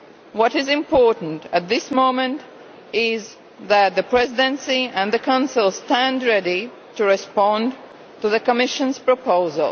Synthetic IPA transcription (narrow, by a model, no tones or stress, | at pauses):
wʌɾɪzɨ̃mpʰɔɹʔn̩tɨt̪̚ðɪsmõʊ̃mɨ̃nt | ɪz | ðɨt̪̚ðɨpʰɹ̥ɛzɪdɨ̃nsiɨ̃nðɨkʰãʊ̃nsəl̩ˠstæ̃ndɹɛɾi | tɨɹɨspɑ̃n | tɨðɨkəmɪʃə̃nz̥pɹ̥əpʰoʊzə̰lˠ